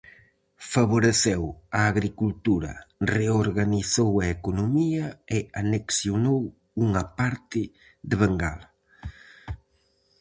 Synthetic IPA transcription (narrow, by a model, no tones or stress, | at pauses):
faβoɾeθɛwɐːɣɾikult̪uɾɐ̰reoɾɣaniθowɐekonomiɐɪaneksjonow | uŋɐpaɾt̪ɪ | ðɪβ̞aŋɡa̰lɐ